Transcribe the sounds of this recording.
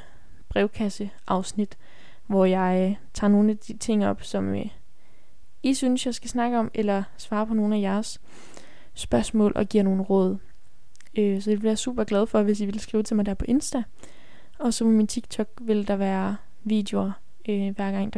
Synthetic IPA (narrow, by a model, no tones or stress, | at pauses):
b̥ʁɛʊkʰæsə | ʔɑ̈ʊsnid̥ | ʋɒjɑ̈ɪt͡sʰɑ̰̈ːno̝ːn̩æd̥it͡sʰe̝ŋ̰ɒ̽b̥sɒ̽m | isynsjɑ̈ɪsɡ̥æsnɑ̈ɡ̥əɒ̽melɐsʋɑ̈ːpʰɒ̽no̝ːn̩æjæɐsː | b̥ɶɐsmɔ̰ːlʔɒ̽ɡ̥ḭɐ̰no̝ːn̩ʁɔ̽ːð̞̰ˠ | øsɒd̥eb̥iaɐsṵːb̥ɐɡ̥lɛð̞ˠfɒ̽ʋe̝s̬iʋe̝lsɡ̥ʁiːʊt͡sʰe̝mɑ̈ɪd̥æɐpʰɒ̽ʔe̝nsd̥æ | ɒ̽sɒ̽memint͡sʰiɡ̥̚t͡sʰɒ̽ɡ̥̚ʋe̝ld̥ɑʋæːɐ | ʋḭːd̥eoɐ | øʋæɐɡ̥ɑ̈ŋ̰d̥ɑ